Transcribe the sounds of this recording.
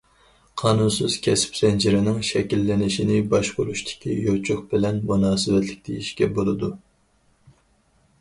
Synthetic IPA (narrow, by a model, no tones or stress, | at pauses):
qʰɑːnunsɨz̥kʲʰɛsɪ̥psɛnd͡ʒiɾɪnɪŋʃɛkʲilːɪnɪʃinɪbɑʃqoɾuʃt̪ʰɪ̥kʲʰijot͡ʃʰʊχbɪlɛnmunɑːsɨvɛt̪lɪk̚ʲd̪ʰɪjiʃkʲɛbolˠɨd̪u